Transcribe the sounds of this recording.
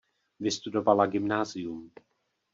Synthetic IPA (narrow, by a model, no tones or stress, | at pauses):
vɪst̪udo̞valaɡɪmnaːzɪjum